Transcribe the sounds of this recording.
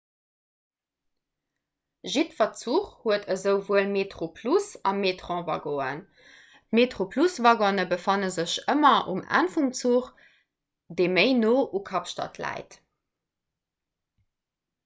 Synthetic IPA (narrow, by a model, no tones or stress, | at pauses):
ʒitfɐt͡suχhuətʰəzəʊvuəlmetχopʰlusɑmetχɑ̃ːvɑɡoːə̰n | tmeːtχopʰlusvɑɡɔnəbəfɑnəzəɕəmɐṵmæ̰nfumt͡suχ | deːməɪnoːʔukʰɑpʃtɑ̰tʰlæ̰ɪt